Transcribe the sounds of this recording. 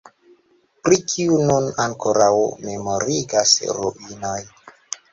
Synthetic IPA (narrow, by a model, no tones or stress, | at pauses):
pɾikʰiununaŋkoɾawmemoɾiɡasɾṵʔinoj